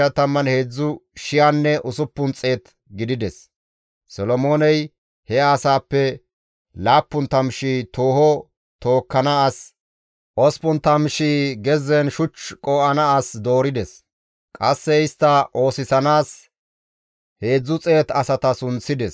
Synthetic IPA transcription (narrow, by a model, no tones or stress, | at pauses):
ɐt̪ɐmːɐnhe̞ːd͡zːʊʃɪjanːɛʔʊsʊpːʊnt͡sʼe̞ːt̪ | ɡɪd̪ɪd̪ɛsː | ɔlɔmo̞ːnɛj | hɛaːsaːpːɛ | laːpːʊnt̪ɐmʃiːt̪oːhɔ | t̪o̞ːkːɐnɐas | ʔɔspʊnt̪ɐmʃiːɡɛzɛnʃʊt͡ʃkʼɔːʔɐnɐasd̪o̞ːɾɪd̪ɛs | kʼɐsːɛɪst̪ːɐʔo̞ːsɪsɐnaːs | he̞ːd͡zːʊt͡sʼeːt̪ɐsɐt̪ɐsʊnt͡sːɪd̪ɛs